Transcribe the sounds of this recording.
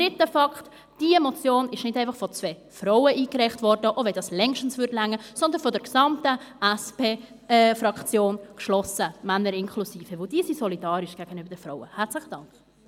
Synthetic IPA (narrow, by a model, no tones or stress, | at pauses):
d̥ɾɪtəfɑkt | d̥iəmɔt͡sjoːnɪʃnɪdɛɪfɑχfɔt͡svɛː | fɾowəʔiːkɾɛχtvɔɾdəʔovɛldɑslɛŋʃtn̩svʏɾtlæŋːəsɔnd̪ənfɔdɛɾksɑmtəʔɛspeː | fɾɑkt͡sjoːnkʃlɔsəmænːəɾɪnkʰlusiːfəvɪld̥iːsisɔlidɑːɾɪʃɡ̥æɡ̥ənyːbəɾd̥ɛfɾɔʊəhæɾt͡slɪχəd̥ɑŋk